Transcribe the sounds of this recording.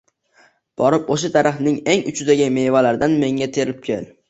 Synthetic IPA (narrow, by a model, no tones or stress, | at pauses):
b̥ɒɾɪpoʃ̬at̪ʰaɾʔɪχnɪŋe̞ŋʊ̰t͡ʃʰɪd̪aɡʲɪme̞jvalaɾd̪anme̞ŋat̪ʰe̞ɾɪp̚kʲʰḛl